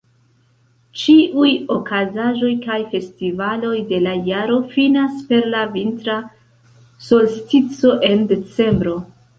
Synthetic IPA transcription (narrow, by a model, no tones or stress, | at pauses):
t͡ʃiʔujo̞kʰazaʒo̞jkajfe̞stivalo̞jde̞lajaɾo̞finaspe̞ɾlavintɾa | so̞lstit͡so̞ʔe̞nde̞t͡se̞mbɾo̞